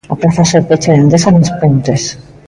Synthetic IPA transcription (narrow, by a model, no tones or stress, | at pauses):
apɾaθaseɾpet͡ʃeðend̪esanespent̪es